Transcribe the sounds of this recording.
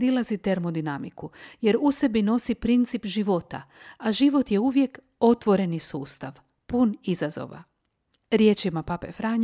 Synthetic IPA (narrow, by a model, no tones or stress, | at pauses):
d̪ilazit̪e̞ɾmo̞d̪inamikuje̞ɾuse̞bino̞sipɾint̪sipʒiʋo̞t̪a̰aʒiʋo̞t̪je̞uʋje̞k | o̞t̪ʋo̞ɾe̞nisuːst̪aʋ | punizazo̞̰ʋa̰ | ɾje̞ːt͡ʃimapapḛfɾaːɲ